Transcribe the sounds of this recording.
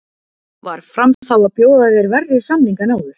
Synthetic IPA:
va̰ɾ̥fɾamθawaðpjoːwðaθjɛɾvɛrːʏ̥samniŋkanaːwðʏɾ̥

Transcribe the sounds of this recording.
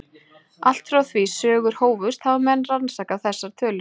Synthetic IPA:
ʔal̥t̪fɾawθvisœːɣʏɾ̥hoːwvʏst̪havamɛnːransaːkawθɛsːaɾ̥t̪ʰœːlʏ

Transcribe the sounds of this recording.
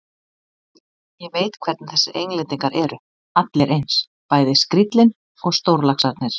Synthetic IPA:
jɛveːjt̪kʰvɛɾt̪nθɛsːɪejnlet̪iŋkaɾʔɛɾʏ | at̪leɾʔejns | paːjðɪskɾit̪lɪn | ɔɣst̪owɾlaxsaɾt̪nɪɾ̥

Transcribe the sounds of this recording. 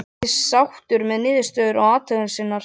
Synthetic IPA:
ɪawht̪ʏɾmɛðnɪːðɪst̪œːðʏɾɔɣaːt̪ʰœːɣʏnsɪnːaɾ

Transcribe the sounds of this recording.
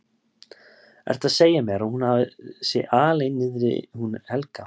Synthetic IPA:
ɛ̰ɾ̥t̪aðseːjamɛɾahunhavsɪʔaːlejnːɪðɾɪ̰hunhɛlka

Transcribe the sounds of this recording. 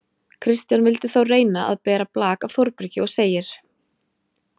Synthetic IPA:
kʰɾɪst̪janvɪlt̪ɪ̥θawreːjnaʔa̰ðpɛːɾaplaːkavθɔɾpɾʏcɪɔɣseːjɪɾ̥

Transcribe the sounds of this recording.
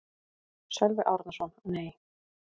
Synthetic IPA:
sɛlvɪʔawɾt̪nasɔnneːj

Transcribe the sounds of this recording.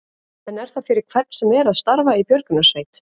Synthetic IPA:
ɛnɛɾ̥θafɪɾɪɾ̥kʰv̥ɛrt̪sɛmɛɾaðst̪aɾvaipjœɾkʏnasveːjt̪

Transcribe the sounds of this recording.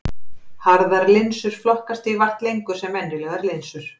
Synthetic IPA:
haɾðaɾlɪnsʏɾ̥flɔhkast̪ivar̥t̪lejŋkʏsɛmːɛnɾɪlœːɣaɾlɪnsʏɾ̥

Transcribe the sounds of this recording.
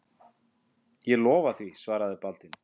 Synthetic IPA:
jɛlɔːvaθvisvaːɾaðɪpalt̪ɪn

